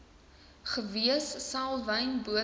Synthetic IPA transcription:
χəviəsːɑːlˠvɐjnbuə

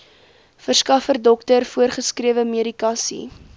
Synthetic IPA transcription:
fərskɐfərdɔktərfuərχəskriəvəmeəɾikɑːsḭ

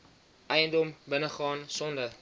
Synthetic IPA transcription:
ʔɛjəndɔmbənəχɑːnsɔndə

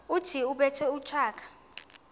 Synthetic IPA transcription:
utʰiuɓɛtʰɛut͡ʃʰaːkʰḁ

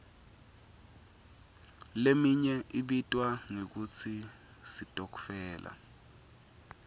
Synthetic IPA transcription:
lemiɲɛʔiɓitʼwaŋek̬ut͡sʰi | sitʼɔk̬u̥fɛːlʔa̰

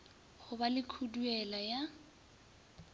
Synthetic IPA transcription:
χʊbalɪkʰuduɛlaja

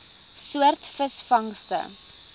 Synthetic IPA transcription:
suərtfəsfɐŋstə̰

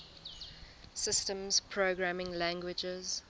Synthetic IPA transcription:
sɪstə̃mz̥pʰɹoːɡɹamɪ̃ŋlæ̃ŋɡwɪd͡ʒɪz̥

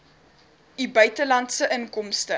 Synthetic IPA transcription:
ibœɥtəlɐntsəʔəŋkɔmstə

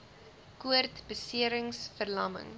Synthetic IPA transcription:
kuərtbəsiəɾəŋsfərlɐmə̰ŋ

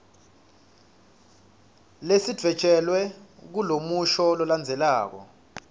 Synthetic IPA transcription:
lesid̥ʱwɛ̥t͡ʃʼɛlwɛk̬ulomuʃɔlɔland͡zʱɛlaːk̬ɔ̰

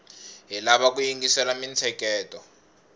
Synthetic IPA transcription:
ɦilaβakujiŋɡisɛlamint͡sʰɛkɛːtɔ

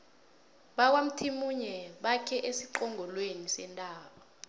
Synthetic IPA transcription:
ɓak̬wam̩tʰimuɲɛɓakʰɛʔesiǃɔŋʱɔlwenisɛntʼaːɓɔ

